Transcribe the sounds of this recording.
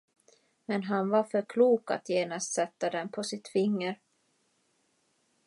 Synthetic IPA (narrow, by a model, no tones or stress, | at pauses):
mɛnɦanvaɾfœɾkʰluːka̰t̪jeːnast̪sɛt̪ːad̪ɛnpʰɔsɪt̪fɪŋːəɾ